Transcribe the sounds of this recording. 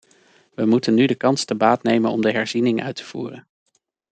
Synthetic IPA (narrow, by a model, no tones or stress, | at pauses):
ʋəmutənːydəkɑnstəbaːtnejmənɔmdəɦɛɹzinɪŋʔœ̰ɥtʰə̥v̥ṵːrən